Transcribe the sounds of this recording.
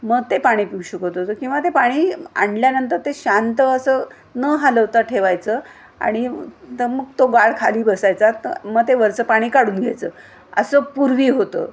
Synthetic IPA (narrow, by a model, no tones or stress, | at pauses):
məɡ̚t̪epaɽ̃iːpiwɕəkɦot̪ɦot̪əkĩw̃ʋat̪epaɽ̃iːa̰ɳɖljanənt̪əɾt̪eɕant̪əəsəː | nəɦaləʋt̪aʈʰeʋajt͡səː | a̰ɽ̃it̪əməɡ̚t̪oɡaɭkʰaliːbəsajt͡sat̪əməɡ̚t̪eʋəɾt͡səpaɽ̃iːkaɽuːnɡʱa̰jt͡səː | ə̰səːpuɾʋiːɦot̪ə̰ː